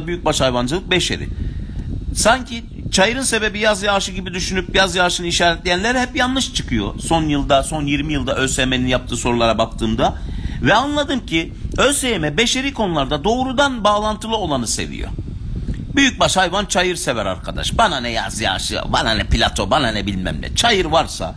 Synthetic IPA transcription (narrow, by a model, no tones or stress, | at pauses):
byjyc̚baʃhajvand͡ʒɯlˠɯk̚be̞ʃe̞̰ɾḭ | saɲcʰi | t͡ʃʰajɯɾɯnse̞be̞bijazjaːʃɯɟibid̪yʃynypjazjaːʃɯnɯiʃaːɾɛt̪lʲejænlʲeɾhɛpjanlˠɯʃt͡ʃʰɯ̥kʰɯjo̞̰so̞njɯlˠd̪aso̞njiɾmijɯlˠd̪aʔøsejme̞ninjap̚t̪ʰɯːso̞ɾulˠaɾabakt̪ʰɯːmd̪avɛanlˠad̪ɯmcʰi | øsejemɛbe̞ʃe̞ɾiːkʰo̞nulˠaɾd̪ad̪o̞ːɾud̪anbaːlˠant̪ʰɯlˠɯo̞lˠanɯse̞̰vḭjo̰ | byjyc̚baʃhajvant͡ʃʰajɯɾsevæɾa̰ɾkʰad̪a̰ʃbananɛja̰zja̰ːʃɯ̰ba̰nanɛpilʲat̪ʰo̞bananɛbilʲmæ̰mlʲɛ̰t͡ʃʰajɯɾvaɾsa̰